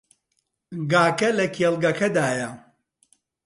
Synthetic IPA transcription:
ɡaːkɐlɐkʰelˠɡɐkɐd̪aːjɐ

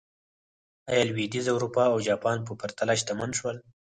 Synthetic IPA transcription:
ajɑlwid̪izawɾupɑawd͡ʒɑpɑnp̬əpaɾt̪alaʃt̪amanʃwəl

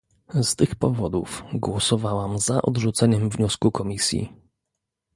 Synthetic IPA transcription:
st̪ɘxpɔvɔd̪ufɡwɔsɔvawamzaʔɔ̰d̪ʐut̪sɛɲɛmvɲɔskukɔmʲisʲjḭ

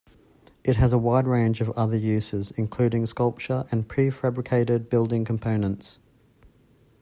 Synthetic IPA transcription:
ɪt̚ɦəzəwaɪdɹẽɪ̃nd͡ʒəvʌðəjʉːz̥ɪzɪ̃nkʰl̥ʉːɾɪ̃ŋskʌlˠp̚t͡ʃəɹʔə̃npʰɹ̥ifæbɹɪkʰeɪɾɪd̚bɪlˠdɪ̃ŋkʰə̃m̩pʰə̃ʊ̃nə̃nts

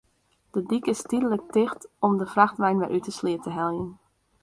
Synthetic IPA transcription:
d̥ədikɪstidələk̚tɪxtɔmdəfraxtʋɛjnʋɛ̰ʔytəsliətəɦɛlˠjən

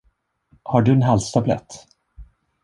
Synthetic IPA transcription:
haɖɵɛnɦalst̪ʰablɛ̰t̪ː

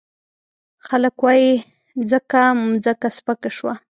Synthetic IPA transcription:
xaləkwɑji | zəkamzəkaspəkaʃwa

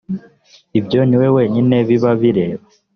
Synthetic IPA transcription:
ibjo̞niwe̞we̞ːɲine̞βiβaβiɾe̞ːβa

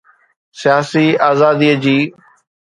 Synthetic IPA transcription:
sɪjaːsiaːzaːd̪iːd͡ʑiː

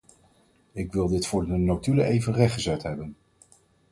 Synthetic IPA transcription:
ɪkʋɪlˠdɪtfʊːɹdənotyləʔejvənrɛχχəzɛtɦɛbən

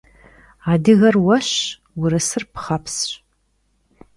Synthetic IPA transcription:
aːdɨɣɐrwɐɕ | wʊɾɐsɨrpʰχapʰsɕ

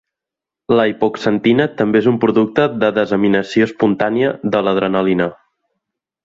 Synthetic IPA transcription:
ləipoksənt̪inət̪əmbeezumpɾuðuk̚t̪əðəðəzəminəsioəspunt̪aniəðələð̞ɾənəlinə

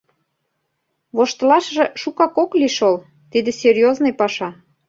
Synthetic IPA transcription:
βoʃt̪lɑʃʒĕʃukɑkokliʃol | t̪id̪ĕserʲjoznojpɑʃɑ

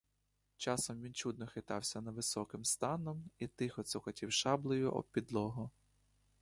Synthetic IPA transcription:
t͡ʃɑsɔmʋʲint͡ʃud̪̚nɔxɪt̪ɑwsʲɐnɐʋɪsɔkɪmst̪ɑnɔmit̪ɪxɔt̪sɔkɔtʲiwʃɑblˠɔjʊʔɔ̰pʲid̪lˠɔɦʊ

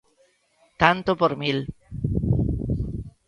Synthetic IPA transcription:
t̪ant̪opoɾmil

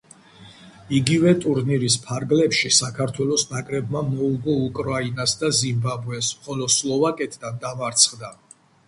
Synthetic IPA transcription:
iɡivɛt̪ʼuɾniɾispʰaɾɡlɛpʃisakʰaɾt̪ʰwɛlɔsnakʼɾɛbmamɔuɡɔukʼɾainasd̪azimbabɛsχɔlɔslˠɔvakʼɛt̪ʰʼd̪and̪amaɾt̪sʰχd̪a

